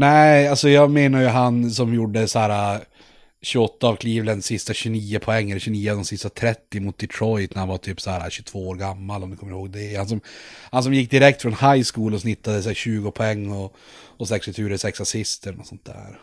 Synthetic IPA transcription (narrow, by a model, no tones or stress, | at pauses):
næalsɔjɑːɡmeːnaɾjɵɦansɔmjuɖːəsæːɾa | ɕɵɔt̪ːaːvkʰliːvlənsɪst̪aɕɵniːʊpʰɔɛŋːɛlɕʉniːʊad̪ɔmsɪst̪at̪ʰɾɛt̪ːɪmʊt̪̚d̪ɪt̪ʰɾɔjt̪næɾhanvaʈ̪ʰyːpshæːɾa̰ɕɵ̥t̪ʰv̥oːoːɾɡamːalɔmd̪ɵkʰɔmːəɾɪhoːɡ̚d̪ɛhans̬ɔmhans̬ɔmjɪkːd̪ɪɾɛk̚t̪fɾɔnhajskuːlɔsnɪt̪ːad̪əsæːɕʉ̟ːɡʊpʰɔɛŋːɔ | ɔsɛkst̪ɪt̪ʰʉːɾəsɛksasɪst̪ənɔsɔnt̪̚d̪æ̰ːɾ